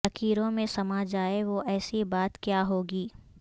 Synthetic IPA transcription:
ɐkiːɾõmẽsɐmad͡ʒaːeʋoʔɛːsibaːt̪kjaːɦoːɡiː

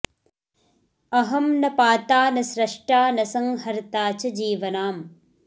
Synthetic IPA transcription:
ɐɦɐmnɐpaːt̪aːnɐsɾɐʂʈaːnɐsɐŋɦɐɾt̪aːt͡ʃɐd͡ʒiːʋɐnaːm

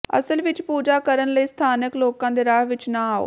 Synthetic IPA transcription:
ə̰səlʋɪt͡ʃpuːd͡ʒaːkəɾənləiːst̪ʰaːnəkloːkãːd̪eːɾaːɦʋɪt͡ʃnãːaːo̰ː

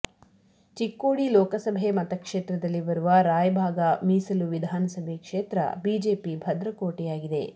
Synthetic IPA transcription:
t͡ʃikːoːɽilɔːkɐsɐbʱemɐt̪ɐkʂeːt̪ɾɐd̪ɐlːiʋɐɾuʋɐɾaːjɐbʱaːɡɐmiːsɐluʋid̪ʱaːnɐsɐbʱekʂeːt̪ɾɐ̰biːd͡ʒe̞ːpibʱɐd̪ɾɐkoːʈijaːɡid̪e̞̰

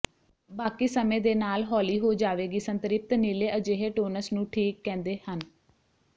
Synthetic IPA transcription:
baːkiːsəmẽːd̪eːnaːlɦɔːliːɦoːd͡ʒaːʋeːɡiːsənt̪ɾɪp̚t̪niːleːʔəd͡ʒeːɦeːʈoːnəsnũːʈʰiːkːɛ̃ːnd̪eːhən

